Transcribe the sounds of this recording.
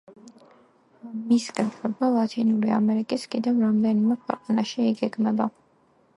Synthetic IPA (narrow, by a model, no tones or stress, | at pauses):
miskʼɛt̪ʰɛbalˠat̪ʰinuɾia̰mɛɾikʼiskʼid̪ɛvɾamd̪ɛnimɛkʰwɛ̰qʼanaʃiːɡɛɡmɛba